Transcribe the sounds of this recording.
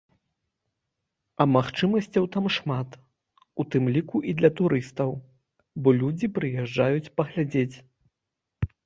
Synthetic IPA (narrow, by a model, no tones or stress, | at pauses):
ɐmaxt͡ʂɨmɐsʲt͡sʲɐwt̪amʂmat̪ | ut̪ɨmlʲikuʔid̪lʲɐt̪uɾɨst̪ɐw | bɔlʲud͡zʲipɾɨjɛʐd͡ʐajut͡sʲpɐɣlʲad͡zʲet͡sʲ